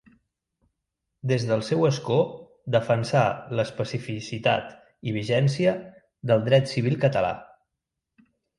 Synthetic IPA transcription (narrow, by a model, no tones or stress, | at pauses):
d̪ezðəlˠsɛwəsko | d̪əfənsaləspəsifisit̪a̰t̪ | iβ̞iʒɛnsiə | d̪əlˠd̪ɾɛt̪siβ̞ilˠkət̪əla̰